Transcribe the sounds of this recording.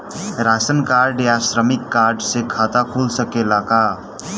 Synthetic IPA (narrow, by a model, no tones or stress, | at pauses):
ɾasənkaɾɖjasɾəmikːaɾɖsekʰat̪akʰolsəkelaka